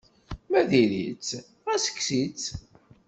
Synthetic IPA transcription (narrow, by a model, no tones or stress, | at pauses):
mæðilḭt͡sː | æsə̥kːsit͡s